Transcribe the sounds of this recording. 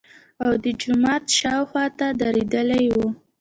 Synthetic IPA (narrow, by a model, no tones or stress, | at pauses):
awd̪əd͡ʒʊmɑt̪ʃɑwxwɑt̪ad̪aɾed̪əlajwu